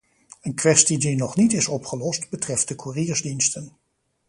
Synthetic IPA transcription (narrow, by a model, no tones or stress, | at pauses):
ənkʋɛstidinɔχnitɪsɔpχəlɔstbətrɛft̚dəkʰuriːɹzdinstən